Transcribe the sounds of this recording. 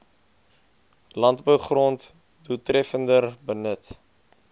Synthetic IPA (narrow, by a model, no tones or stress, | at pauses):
lɐndbəwχrɔnt | dutrɛfəndərbənət